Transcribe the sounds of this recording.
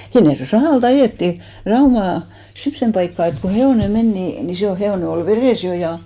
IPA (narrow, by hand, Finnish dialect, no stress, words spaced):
hinːerjoeˑ sɑhɑˑlt ɑjeˑtːiˑ rɑumɑˑ semsːem pɑikːɑˑ et ko heoˑne men ni ni se ol heoˑne ol ʋereˑs jo jɑ